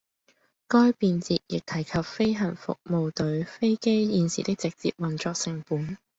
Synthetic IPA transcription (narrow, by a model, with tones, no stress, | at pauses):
kɔː˥jpiː˧nt͡siː˨t̚jɪ˨k̚t̪ʰɐ˨˩jkʰɐ˨p̚fe˥jɦɐ˨˩nfʊ̰˨k̚mo˨˧wt̪ɵ˨˥ɥfe˥jke˥jjiː˨˧nsḭː˨t̪ɪ˥k̚t͡sɪ˨k̚t͡sḭː˨p̚wɐ˨˩nt͡ʃɔː˧k̚sɪ˨˩ŋpuː˨˥n